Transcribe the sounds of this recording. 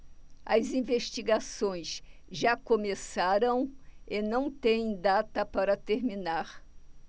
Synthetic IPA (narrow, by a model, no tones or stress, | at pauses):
ɐzĩveʃt͡ʃiɡasõj̃sʒakomesaɾɐ̃w̃ɪnɐ̃w̃t̪ẽj̃d̪at̪ɐpaɾɐt̪eɾminaɾ